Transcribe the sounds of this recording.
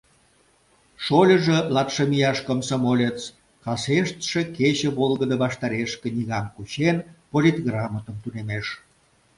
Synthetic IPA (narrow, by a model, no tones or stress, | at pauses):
ʃolʲəʒelɑt̪ʃəmijɑʃkəmsomolʲet͡s | kɑseʃt̪ʃe̽ket͡ɕəβolˠɣəd̪əβɑʃt̪ɑɾeʃkĕnʲiɣɑmkut͡ɕenpolʲit̪ɣrɑmət̪əmt̪unemeʃ